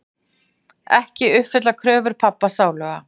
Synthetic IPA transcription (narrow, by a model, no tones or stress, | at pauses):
ɛhcɪʏhfɪt̪lakʰɾœːvʏɾ̥pʰapːasaːwlœɣa̰